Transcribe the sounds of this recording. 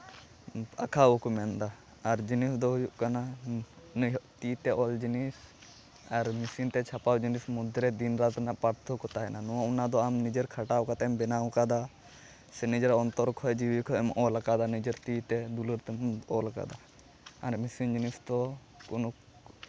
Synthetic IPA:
a̰kʰaukumɛnd̪aː | ɾd͡ʒinisd̪ɔɦujuʔkana | ɔʔt̪it̪ɛʔɔld͡ʒinis | aɾmisint̪ɛt͡ʃʰapawd͡ʒinismud̪ʱɾɛd̪inɾat̪naʔpaɾt̪ʰɔkɔt̪aɦɛnanɔwaunad̪ɔamnid͡ʒeɾkʰaʈawkat̪ɛɛmbɛnawkad̪a | sɛnid͡ʒɛɾɔnt̪ɔɾkʰɔɛd͡ʒiwikʰɔɛmʔɔlakad̪anid͡ʒeɾt̪it̪ɛd̪uluɾt̪ɛɔlaka̰d̪a | aɾmisind͡ʒinisd̪ɔ | kunuk

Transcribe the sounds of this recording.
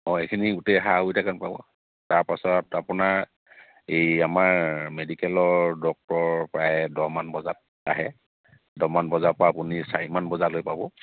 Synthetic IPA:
ɔejkʰiniɡutɛɦaɦujtʰakanpabɔ̰ | taɹpasɔtapunaɹ | ejamaɹmedikɛlɔɹdɔk̚tɔɹpɹajdɔmanbɔzat̚ː | aɦɛ | dɔmanbɔzapʊɹaːpʊnisaɹimanbɔzalojpabɔ

